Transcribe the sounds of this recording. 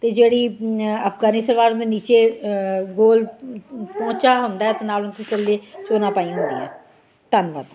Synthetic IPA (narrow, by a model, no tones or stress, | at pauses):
t̪eːd͡ʒeːɽiːəpfʰɡaːnɪsəɾʋaːɾʊnd̪eniːt͡ʃeːɡoːl | pɔ̃ːt͡ʃaːɦʊ̃nd̪aːɛːt̪ãːnaːlʊnt̪ʰẽːkəlːeːt͡ʃoːnãːpaːijãːɦoːɡḭɛ̰ː | t̪ənʋəd̪